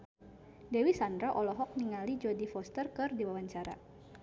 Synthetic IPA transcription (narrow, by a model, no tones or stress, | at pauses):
dewisand̪ɾaʔɔlɔɦɔk̚niŋalid͡ʒɔdifɔst̪ərkɨrdiwawaɲt͡ʃaɾa̰